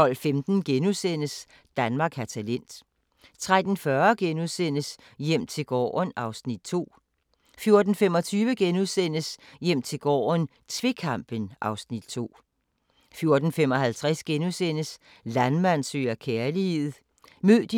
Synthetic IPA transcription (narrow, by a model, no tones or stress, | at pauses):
t͡sɒ̽l̰femd̥n̩ɡ̥enusen̰əs | d̥ænmɑ̈ːɡ̥hæɐt͡sʰælen̰d̥ | t͡sʰʁad̥n̩fɶɐɡ̥enuðˠsen̰əs | jem̰t͡sʰe̝ɡ̥ɒ̰ːnʔɑ̈ʊsnid̥̚t͡sʰo̝̰ː | fjo̝ɐd̥n̩fem̰ɒ̽t͡sʰyːʋəɡ̥enuðˠsen̰əsjem̰t͡sʰe̝lɡ̥ɒ̰ːn | t͡sʰʋe̝kʰɑmb̥ənʔɑ̈ʊsnid̥̚t͡sʰo̝̰ː | fjo̝ɐd̥n̩femɒ̽hælt͡sʰʁasɡ̥enusen̰əs | lænmæn̰søːɐkʰeɐlihe̝ð̩ˠ | møð̰ˠd̥